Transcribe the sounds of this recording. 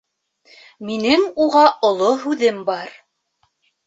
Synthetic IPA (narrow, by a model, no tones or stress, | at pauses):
minɘŋuʁɑʔŏlˠoɦʉðɘmbɑɾ